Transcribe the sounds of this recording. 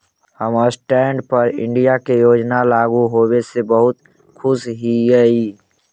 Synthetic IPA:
həməsʈɛːɳɖpəɾɪ̰̃ɳɖijakejoːd͡ʒnalaːɡuɦowesebəɦʊt̪ | kʰʊsɦiɡəi

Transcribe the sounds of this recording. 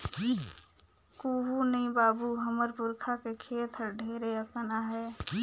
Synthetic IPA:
koɦunəĩbaːbuɦəməɾpuɾkʰakekʰeːt̪ʰəɾɖʱeːɾeəkənaɦɛ

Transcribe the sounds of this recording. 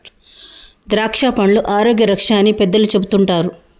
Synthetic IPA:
d̪ɾaːkʂaːpɐɳluʔaːɾoːɡjɐɾɐkʂaːnːipɛd̪ːɐlut͡ʃe̞but̪uɳʈaːɾu

